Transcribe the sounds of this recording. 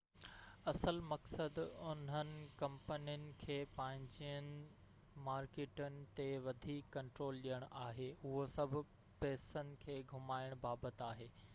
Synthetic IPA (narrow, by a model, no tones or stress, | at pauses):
ɐsəlmɐksəd̪ʊn̤ənɪ̆kɐ̃mpənijənɪ̆kʰeːpɐ̃ɦɪ̃ɲd͡ʑijənɪ̆ | maːɾkeːʈənɪ̆t̪eʋɐd̪ʱiːkːɐ̃ɳʈɾoːlɗijəɽ̃aːɦeːʊɦosɐbʱʊ̆ | pɛːsənɪ̆kʰeːɡʱʊmaːɪəɽ̃baːbət̪aːɦeː